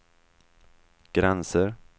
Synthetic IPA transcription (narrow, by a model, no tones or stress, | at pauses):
ɡ̥ɾɛnsəɾ